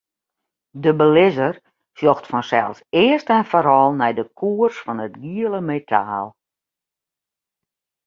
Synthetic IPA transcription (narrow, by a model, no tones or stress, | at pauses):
dəbəlɪzər | sjoxtfɔnsɛ̰lˠsɪərstɛnfoɾɔlˠnɛjdəkʰuərsfɔnətɡiələmetʰa̰ːlˠ